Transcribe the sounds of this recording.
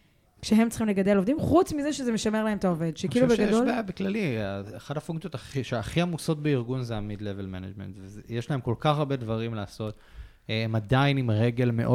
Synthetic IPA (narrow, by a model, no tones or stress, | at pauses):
kʃeɦe̞mt͡sχimle̞ɡad̪elo̞vd̪imχut͡smizeʃezemeʃame̞ʁlaɦe̞mt̪aove̞dʃekkiiilubeɡadoleabeklalieχadhafuŋkt͡sijotaχiʃeaχiamuso̞t̚beiʁɡunzeamidlevelmena̰d͡ʒmḛntvezjeʃlahemko̞lkaχaʁbe̞dvaʁimleːso̞t̪ | emadainimʁeɡe̞lme̞ʔo